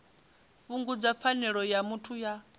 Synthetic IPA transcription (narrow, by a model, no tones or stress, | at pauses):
βuŋɡud͡zap̪fʰanɛɺɔjamutʰuja